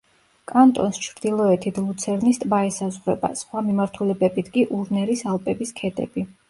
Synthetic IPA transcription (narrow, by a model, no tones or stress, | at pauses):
kʼant̪ʼɔ̰nst͡ʃʰɾd̪ilˠɔɛt̪ʰit̪ʰlˠut̪sʰɛɾnist̪ʼbaisazʁɾɛ̰ba̰sχwamimaɾt̪ʰulɛbɛbit̪ʰɡʼiʔuɾnɛɾisalˠpʼɛbiskʰɛd̪ɛ̰bi